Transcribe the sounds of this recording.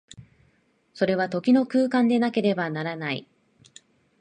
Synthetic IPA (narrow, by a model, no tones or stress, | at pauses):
so̞ɾe̞βat̪o̞kʲino̞kɯ̟ːkãnd̪e̞nake̞ɾe̞banaɾanaḭ